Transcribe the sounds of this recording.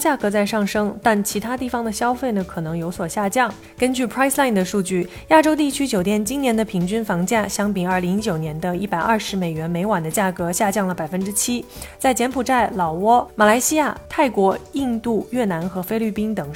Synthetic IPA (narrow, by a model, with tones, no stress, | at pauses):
t͡ɕja˥˩kɤ˧˥t͡sa˥˧ɪʂɑ˥˩ŋʂɤ˥ŋt̪a˥˩nt͡ɕʰi˧˥t̪ʰa˥t̪i˥˩fɑ˨˩ŋd̪ə˨ɕjɑ˥ʊfe˥˩ɪnə˩kʰɤ˨˩nɤ˧˥ŋjo˧˥ʊswɔ˨˩ɕja˥˧t͡ɕjɑ˥˩ŋ | kə˥nt͡ɕy˥˩pʰɹa˥ɪsla˥˩ɪnd̪ə˩ʂu˥˧t͡ɕy˥˩ | ja˥˩ʈ͡ʂo˥ʊt̪i˥˩t͡ɕʰy˥t͡ɕjo˨˩ʊt̪jɛ˥˩nt͡ɕi˥njɛ˧˥nd̪ə˧pʰi˧˥ŋt͡ɕy˥nfɑ˧˥ŋt͡ɕja˥˩ɕjɑ˥ŋpi˨˩ɐ˞˥˩li˧˥ŋi˥t͡ɕjo˨˩ʊnjɛ˧˥nd̪ə˧i˥˩pa˨˩ɪʔɐ˞˥˩ʂɻ̩˧˥me˨˩ɪɥɛ˧˥nme˧˥ɪwa˨˩nd̪ə˦t͡ɕja˥˩kɤ˧˥ɕja˥˧t͡ɕjɑ˥˩ŋlə˩pa˨˩ɪfə˥nʈ͡ʂɻ̩˥t͡ɕʰi˥t͡sa˥˩ɪt͡ɕjɛ˧˥npʰu˨˩ʈ͡ʂa˥˩ɪlɑ˨˩ʊwɔ˥ma˨˩la˧˥ɪɕi˥ja˥˩t̪ʰa˥˩ɪkwɔ˧˥i˥˧nt̪u˥˩˧ɥɛ˥˩na˧˥nxɤ˧˥fe˥ɪly˥˩pi˥nt̪ɤ˨˩ŋ